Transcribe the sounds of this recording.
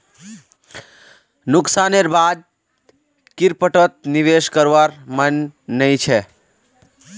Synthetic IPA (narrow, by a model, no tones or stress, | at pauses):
nʊksaneɾbad̪̚ | kɪɾpəʈət̪̚niʋeʃkəɾʋaɾmənːəĩt͡ʃʰɛ